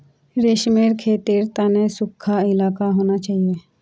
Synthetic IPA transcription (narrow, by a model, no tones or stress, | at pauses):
ɾeʃmeːɾkʰeːt̪iːɾt̪aːnẽsʊkʰːaɪlaːkaɦoːnat͡ʃaːɦie